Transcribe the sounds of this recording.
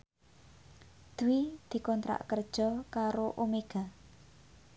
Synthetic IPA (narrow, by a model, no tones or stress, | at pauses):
d̪̥uwid̪̥i̤kɔnt̪ɾa̰ʔkərd̥ʒ̥ɔ̤kaɾoʔomeɡ̥a